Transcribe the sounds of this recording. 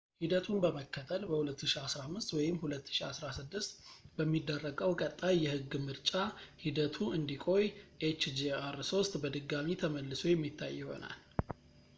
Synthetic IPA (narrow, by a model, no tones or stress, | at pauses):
hid̪ət̪ʰunbəməkʰːət̪ʰəlbəhulət̪ʰːɨʃiasɾamːɨst̪wɔjɪmhulət̪ːɨ̥ʃiasɾasɨd̪ːɨst̪bəmːid̪ːərːəɡəwkʼət̪ʼːajːɛhɨɡːmɨɾt͡ʃʼahid̪ət̪ʰuʔɨnd̪ikʼo̞jʔet͡ʃd͡ʒiaɾso̞st̪ʼbəd̪ɨɡːamit̪ʰəməlːɨso̞jɛmːit̪ʰːa̰jːɛho̞̰na̰l